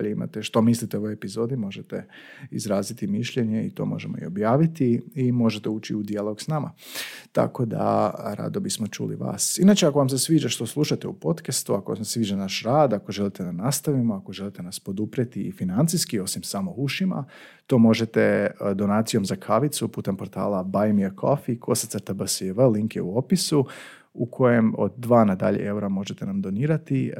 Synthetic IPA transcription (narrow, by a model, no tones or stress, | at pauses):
ʎeima̰t̪eʃt̪o̞mislit̪eoojepizo̞ːd̪imo̞ʒet̪ḛizɾaːzit̪imiʃʎeɲeḭt̪o̞̰mo̞̰ʒemoḭo̞bjaːʋit̪iːmo̞ʒet̪euːt͡ʃiud̪ialˠo̞ɡsnama̰t̪a̰ko̞d̪a̰ɾa̰d̪o̞bismo̞t͡ʃṵlḭʋa̰ːsinat͡ʃeako̞ʋams̬esʋiːd͡ʒaʃt̪o̞slˠuʃat̪eupo̞t̪kast̪uakomsʋiːd͡ʒanaʃɾaːd̪akoʒe̞lit̪ed̪anast̪aʋimoako̞ʒe̞lit̪e̞naspo̞d̪upɾet̪iːfinant̪siskio̞simsamo̞uʃima̰ | t̪oːmo̞ʒet̪ed̪o̞naːt̪sijo̞mzakʰaʋit̪supuːt̪e̞mpo̞ɾt̪a̰ːlˠabajmikʰo̰fikʰo̞sat̪saɾt̪abəsʋəliŋkjeuopisu | ukʰo̞je̞mo̰d̪̚d̪ʋaːnad̪a̰ʎḛewɾamo̞ʒet̪enamd̪o̞niːɾat̪i